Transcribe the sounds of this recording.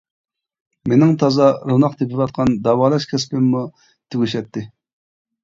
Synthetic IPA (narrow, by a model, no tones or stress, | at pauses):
menɪŋt̪ʰɑzɑɾunɑqt̪epʰɪvɑt̪̚qʰɑnd̪ɑwɑlˠɑʃkʲʰɛspɪmːu | t̪ʰyɡʲyʃɛt̪ːɪ